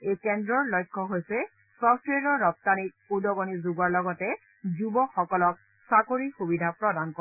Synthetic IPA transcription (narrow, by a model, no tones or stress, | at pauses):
ejkɛndɹɔɹlɔjkʰːɔɦojsɛ | sɔtʰɹeɾɔːɔp̚tanik̚ | udɔɡɔnizuɡaɹlɔɡɔtɛ | zubɔxɔkɔlɔk̚ | sakoɹixubidʱapɹɔdankɔ